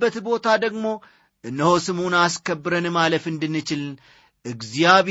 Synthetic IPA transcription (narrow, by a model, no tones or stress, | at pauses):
bːət̪bo̞t̪ʰad̪əɡmo̞ | ʔɨnːəhosɨmunaskəbːɨɾənɨmaləfɨnd̪ɨnːɨt͡ʃɪln | ʔɨɡzijaβ